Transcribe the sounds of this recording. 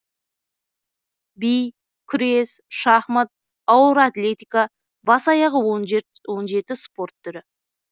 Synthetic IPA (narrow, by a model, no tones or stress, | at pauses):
bij | kʲʰʏɾesʃɑχmət̪̚ | ɑwʊɾat̪lʲe̞t̪ʲijka | bɑsɑjɑʁəwo | wo̞nʒe̞t̪ɪspo̞rt̪ʰːʏɾɪ